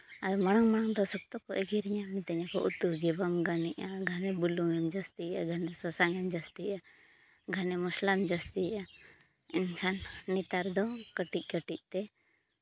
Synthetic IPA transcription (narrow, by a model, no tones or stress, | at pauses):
ad̪mɐɽ̃aŋmaɽ̃aŋd̪ɔsuk̚t̪ɔkɔʔɛɡiɾiɲamit̪ɛɲakɔʔut̪uɡɛbamɡaniʔaɡʱanɛbuluŋɛmd͡ʒɐst̪iaɡʱanɛsɐsaŋɛmd͡ʒast̪ia | ɡʱanɛmuslamd͡ʒəst̪ia | inkʰanːit̪aɾd̪ɔkəʈic̚ˀkəʈiʔ̚t̪ɛ